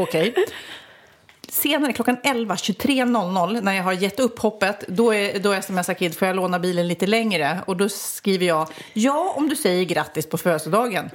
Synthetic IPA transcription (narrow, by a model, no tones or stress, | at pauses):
ɔkʰɛj | seːnaɾəkʰlɔkːanɛlvaɕɵt̪ʰɾeːnɔlnɔlːnæɾjaɦaɾjɛt̪ːɵpːhɔpːət̪d̪ɔɛd̪ɔɛsɛmɛsːaɾkʰɪd̪ːfoːjaloːnaɾbiːlənliːt̪əlɛŋɾəɔd̪ɔkɾiːvəjɑːjɑːɔmd̪ɵsɛjːəɾɡɾat̪ːɪspʰɔføːsəd̪ɑːɡən